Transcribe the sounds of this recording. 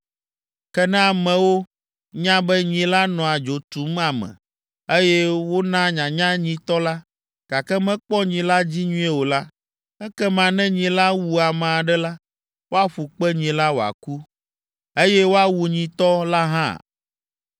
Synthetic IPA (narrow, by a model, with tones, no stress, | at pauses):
kɛ˦nɛ̃˦a˨mɛ̃˨wo˦ | ɲã˦bɛ˦ɲĩ˨la˦nɔ̃˨a˨d͡ʒo˨t̪u˨m˦a˨mɛ̰̃˨ | e˦jɛ˦wo˦nã˦ɲã˨ɲã˦ɲĩ˨t̪ɔ˦la˦ | ɡ̥a˨kɛ˦mɛ̃˦k͡pɔ˦ɲĩ˨la˦d͡ʑi˦ɲũ˦ɛ˦wo˨la˦ | ɛ˦kɛ˦mã˨nɛ̃˦ɲĩ˨la˦wu˨a˨mã˨a˨ɖɛ˦la˦ | wo˦a˦ɸu˨k͡pɛ˦ɲĩ˨la˦wo˨a̰˨ku˦ | e˦jɛ˦wo˦a˦wu˨ɲĩ˨t̪ɔ˦la˦ɦã̰˦˨